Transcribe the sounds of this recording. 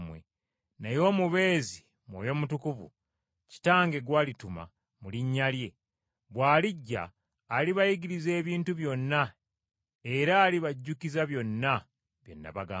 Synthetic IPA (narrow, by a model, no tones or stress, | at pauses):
mwḛ | najo̞ːmuβe̞ːzi | mwo̰ːjo̞mutukuvṵ | ci̥taːŋɡe̞ɡwaːlituma̰ | muliɲːalje̞ | βwaːliɟːa̰ː | liβajiɡiɾize̞ːβiːntuβjo̞nːa | e̞ɾaːliβaɟːukizaβjo̞nːa | βjo̞̰nːa̰βaɡaː